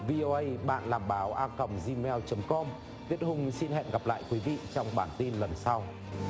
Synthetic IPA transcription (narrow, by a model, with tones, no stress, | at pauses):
vi˧ʔo˧ʔə˧jɓa̰ː˧˨nlaː˨˩mɓaː˨˦wʔaː˧kə˨˩mzi˧mɛ˧wt͡ɕə˨˦mkɔ˧m | t̪wi˦˥ət̚hʊ˧ŋ͡msi˧nhɦɛ̰˧˨nɣa˨˩p̚la̰ː˧˨jkwi˨˦vḭ˧˨t͡ɕɔ˧wŋ͡mɓaː˨˩nt̪i˧nlə˨˩nsa˧w